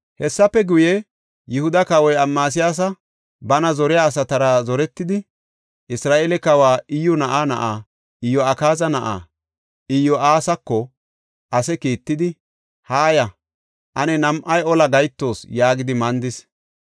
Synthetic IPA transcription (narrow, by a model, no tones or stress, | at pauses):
hɛsːɐpːɛɡʊjɛ | jɪhʊd̪ɐkɐwɔjɐmːaːs̬ɪjaːs̬ɐ | bɐnɐzɔɾɪjaːs̬ɐt̪ɐɾɐzɔɾɛt̪ːɪd̪ɪ | ʔɪsɾaːʔelɛkɐwaːʔɪjːɔnɐʔanɐ̰ʔaː | ɪjːɔɐkaːzɐnɐʔa̰ː | ɪjːɔaːsɐkːɔ | ʔɐsɛkiːt̪ːɪd̪ɪ | haːjɐ | ʔɐnɛnɐmʔɐjɔlɐɡɐjt̪ːo̞ːsjaːɡɪd̪ɪmɐnd̪ɪs